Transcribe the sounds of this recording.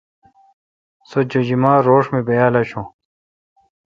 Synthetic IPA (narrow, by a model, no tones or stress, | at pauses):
sod͡ʑod͡ʑimãːɾoːʂmibɐjaːlɐɕõː